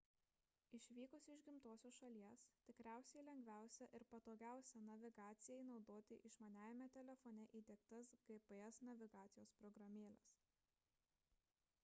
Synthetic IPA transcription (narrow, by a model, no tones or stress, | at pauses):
ɪʃʲʋʲiːkʊsʲɪʒʲɡʲɪmt̪oːsʲoːsʃɐlʲiɛst̪ʲɪkɾʲæˑʊsʲɛɪlʲɛŋʲɡʲʋʲæˑʊsʲɛʔɪɾpɐt̪oːɡʲæˑʊsʲɛnɐʋʲɪɡɑːt̪sʲɪjɛɪnɒʊd̪oːt̪ʲɪ̰ʔɪʃmɐnʲæːʋʲɪmʲɛt̪ʲɛlʲɛfɔːnʲɛʔiːd̪ʲɛːkt̪ɐsɡɐpɛɛsnɐʋʲɪɡɑːt̪sʲɪjoːspɾɔɡɾɐmʲeːlʲɛ̰s